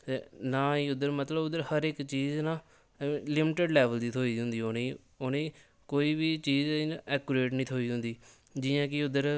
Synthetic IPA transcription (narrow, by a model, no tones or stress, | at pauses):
enãːiːʊd̪əɾmət̪ləbʊd̪əɾhəɾɪkt͡ʃiːznãː | lɪmɪʈeɖlɛːʋəld̪iːt̪ʰoːiːʊ̃nd̪iːonẽː | onẽː | koːiːbiːt͡ʃiːziːnɛːkʊɾeːʈnĩːt̪ʰoːiːɦʊ̃nd̪iː | d͡ʒɪːãːkɪʊd̪əɾ